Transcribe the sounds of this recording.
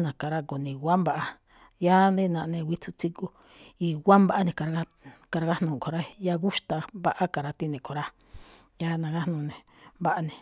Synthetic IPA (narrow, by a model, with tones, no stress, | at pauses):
nã˨ka˨ɾa˧ko˨nĩ˨ɡwa˦mba˦ʔa˧ | ja˦nd̪ẽ˦˧nã˧ʔnẽ˧wi˦t͡su˧t͡si˦ku˦ | i˧˨ɡʷwa˦mba˦ʔa˦nẽ˨ka˨ɾa˧˦ | ka˧ɾa˧ɣa˦nũ˧˨kʰo˨ɾa˦˧ja˦ɣu˦ʃt̪a˧βa˦ʔa˦ka˨ɾa˧t̪i˦nẽ˨kʰo˨ɾa˦ | ja˦nã˧ɣa˦hnũ˧˨nẽ˨ | mba˦ʔa˧nẽ˨